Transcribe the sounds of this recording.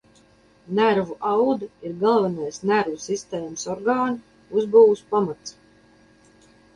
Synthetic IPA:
næɾvuʔawd̪ɨiɾɡalˠvanajsnæɾvusist̪eːməsɔɾɡaːn | uzbuwuspamat̪s

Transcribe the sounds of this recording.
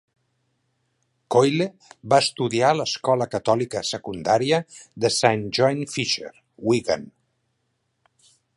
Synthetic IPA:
kojle | βaəst̪uðialəskɔləkət̪ɔlikəsəkund̪aɾiəðəsanʒɔjnfiʃḛɾ | wiɣa̰n

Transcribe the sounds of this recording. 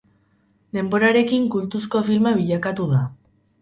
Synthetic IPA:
d̪e̞mbo̞ɾaɾe̞kiŋkult̪us̬ko̞filmaβiʎakat̪uða

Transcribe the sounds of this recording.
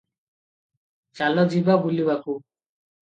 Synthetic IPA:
t͡ʃalɔd͡ʒibabulibaku

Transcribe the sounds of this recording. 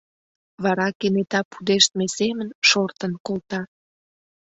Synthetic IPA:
βɑɾɑkenet̪ɑpud̪eʃt̪mesemənʃort̪ənkolt̪ɑ

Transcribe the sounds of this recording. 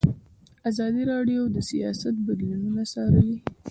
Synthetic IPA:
azɑd̪iɾɑɖjod̪əsijɑ̰sat̪̚bad̪lununasɑɾəli

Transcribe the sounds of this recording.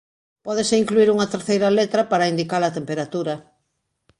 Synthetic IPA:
pɔðɪseiŋkluiɾuŋɐt̪eɾθejɾɐlet̪ɾɐpaɾɐind̪ikalɐt̪empeɾat̪uɾɐ

